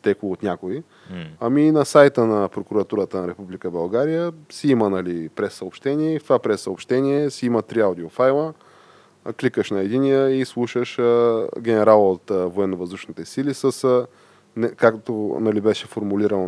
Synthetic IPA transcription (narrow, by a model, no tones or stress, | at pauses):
t̪ɛkoot̪nʲakoi | ɐminɐsajt̪ənɐpɾokuɾɐt̪uɾət̪ənɐɾɛpublikəbɐlˠɡaɾijəsiimənɐlipɾɛsːəopʃt̪ɛniɛift̪ovapɾɛsːəopʃt̪ɛniɛsiimət̪ɾiawd̪iofajlˠə | klikəʃnɐɛd̪inijəislˠuʃəʃəɡʲɛnɛɾalˠot̪voɛnːovɐzd̪uʃnit̪ɛsilisəsə | nɛkakt̪onɐlibɛʃɛfoɾmuliɾənˠ